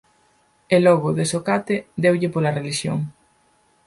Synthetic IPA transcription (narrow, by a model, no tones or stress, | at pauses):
elɔɣʊðesokat̪ɪd̪ewʎɪpolɐreliʃjo̰ŋ